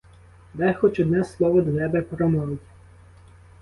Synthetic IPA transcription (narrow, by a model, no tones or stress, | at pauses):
d̪ɛxɔt͡ʃɔd̪nɛslˠɔʋɔd̪ʋɛbɛpɾɔmɔʋɪtʲ